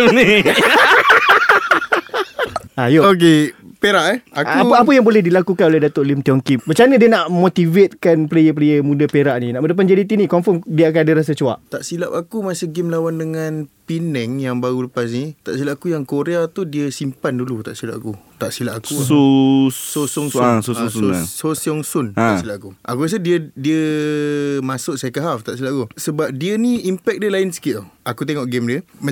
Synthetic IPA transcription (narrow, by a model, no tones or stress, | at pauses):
ajook̬epeɾaʔɛakuaəapəjaŋbolɛhdilakukanolɛɦdat̪oʔlimt̪iɔŋkibət͡ʃanədiənaʔmot̪ivet̪̚kanplejəp̬lejəmũdapeɾaʔnĩnaʔmədəp̬and͡ʒadit̪̬inĩkɔmfɔmdiəak̬anadəɾas̬at͡ʃua̰ʔt̪aʔsilap̚akumasɪhɡɪmlawandəŋanpinɛŋjaŋbaɣuləpas̬nit̪aʔsilapakujaŋkoɾeat̪udiəsimpandulut̪a̰ʔsila̰pakut̪aʔsilapakuososɔŋssoaososiɔŋsʊnasilap̚akuʔakuas̬ədiədiə | mãsʊʔsakəɦaft̪aʔsilaʔ̚akusəbap̚diəniimpɛk̚dəlainsə̥kiakut̪̬eŋɔʔɡɛmdiəmə